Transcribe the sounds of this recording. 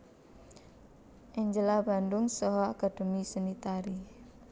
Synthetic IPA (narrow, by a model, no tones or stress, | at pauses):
ʔɛɲd͡ʒəlaba̤nd̪ʊŋsɔɦɔakad̪̥o̤misanit̪aɾi